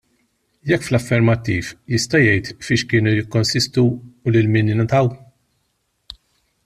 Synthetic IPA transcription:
jɛkːflɐfːɛɾmɐt̪ːiːfjɪst̪ɐjɛjt̪fɪːʃkɪːnujɪkːɔnsɪst̪uːlɪlmɪːnjɪnɐt̪ɐw

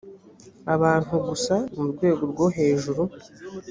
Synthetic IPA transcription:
aβaːn̥huɡusamuɾɡwe̞ːɡo̞ɾɡo̞ɦe̞ːʒuɾu

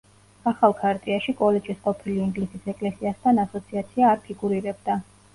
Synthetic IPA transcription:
aχalˠkʰaɾt̪ʼiaʃikʼɔlɛd͡ʒisqʼɔpʰiliiŋɡlisisɛkʼlɛsiast̪ʰanasɔt̪sʰiat̪sʰiaːɾpʰiɡuɾiɾɛb̚d̪a

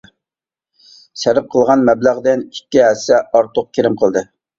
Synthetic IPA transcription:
ʃæɾɪp̚qʰəlˠʁɑnmɛblæʁd̪ɪnikʲːiɦɛsɛɑɾt̪ʰʊq̚kʲʰeɾɪmqʰəlˠd̪ɨ

